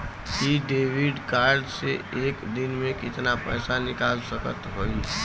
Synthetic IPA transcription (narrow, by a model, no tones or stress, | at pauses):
kiɖeːwɪɖkaːɾɖseeːkd̪ɪnmẽkɪt̪napɛːsanɪkaːlsəkət̪ɦoːi